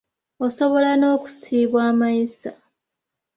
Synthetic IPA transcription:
oso̞βo̞lano̞ːku̥siːβwaːmaisa

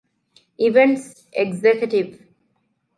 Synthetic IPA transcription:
iʋẽɳʈs | eɡzekjəʈiʋ

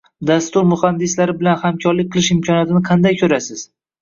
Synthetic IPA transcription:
d̪ast̪ʊɾmʊχand̪ɪslaɾɪbɪlanhamkʲʰɒɾlɪk̚ʲqʰːɨlˠɪʃɪmkʰʲɒnjat̪ʰɪnɪqʰɑnd̪ajkʲʰɵɾasɪz̥

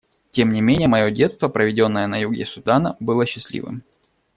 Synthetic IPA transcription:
tʲe̞mnʲɪmʲenʲɪjəmɐjo̞dʲe̞t̪st̪vəpɾəvʲɪdʲo̞nːəjənɐjuɡʲɪ̰sʊd̪anəbɨlˠəɕːɪslʲḭvɨ̰m

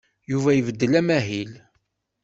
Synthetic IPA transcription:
juvæjəvəd̪ːəlæmæɦil

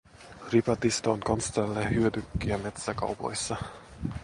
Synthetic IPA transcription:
ripɑt̪ist̪ɑoŋkɑnst̪ɑlːehyød̪ykːiæme̞t̪sækɑ̰wpo̰jsːɑ

